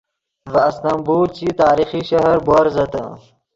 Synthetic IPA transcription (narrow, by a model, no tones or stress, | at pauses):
vɐːst̪ɐmbuːɾt͡ɕit̪aːɾixiɕɐɦɐɾboɾzɐt̪ɐ̰̃